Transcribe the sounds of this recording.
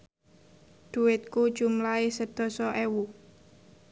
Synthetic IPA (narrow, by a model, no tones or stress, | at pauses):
d̪̥uwɪt̪̚ku̥ʒ̥umlaesəd̪̥ɔ̤sɔʔɛwu